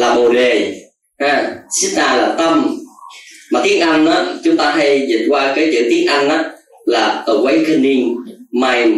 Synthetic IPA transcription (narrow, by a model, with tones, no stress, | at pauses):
laː˨˩ɓo˨˩ɗe˨˩ | ʔaː˧˩si˦˥t̚naː˨˩laː˨˩t̪ə˧m | maː˨˩t̪i˨˦ənʔa˧nʔaː˨˦t͡ɕʊ˨˦ŋ͡mt̪aː˧ɦa˧jzḭ˨˩n̚kwaː˧kaː˨˦jt͡ɕɨ̰˧˩t̪i˨˦ənʔa˧nʔaː˨˦˥ | laː˨˩ʔəː˧˩wa˨˦jkʰə˧ni˧ŋmaː˧j